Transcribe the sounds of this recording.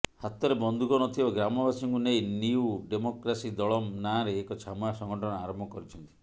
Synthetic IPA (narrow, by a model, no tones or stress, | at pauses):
hat̪ɔɾebɔnd̪ʱukɔnɔt̪ʰibɔɡɾamɔbasɔŋkunejniuɖemokɾasid̪ɔɭɔmnaɾeːkɔt͡ʃʰamasɔŋɡɔʈʰɔnɔaɾɔmbʱɔkɔɾit͡ʃʰɔnt̪i̥